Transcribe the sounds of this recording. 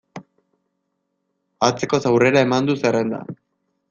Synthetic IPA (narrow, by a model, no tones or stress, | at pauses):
at͡se̞ko̞sawre̞ɾae̞mand̪usere̞nd̪a̰